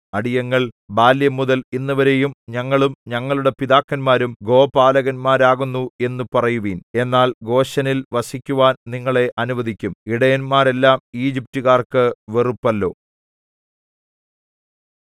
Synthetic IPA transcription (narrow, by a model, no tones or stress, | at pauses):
ɐɽijɐŋːɐɭbaːljɐmuðɐlinːɐʋɐɾe̞jumɲɐŋːɐɭumɲɐŋːɐɭuɽe̞piðaːkːɐnmaːɾumɡo̞ːpaːlɐɣɐnmaːɾaːɣunːue̞nːupɐrɐjuʋiːne̞nːaːlɡo̞ːɕɐnilʋɐsikʲːuʋaːnniŋːɐɭe̞ʔɐnuʋɐd̪ʱikʲːumiɽɐjɐnmaːɾe̞lːaːmiːd͡ʑip̚tuɣaːrkɨʋerupːɐlːo̞ː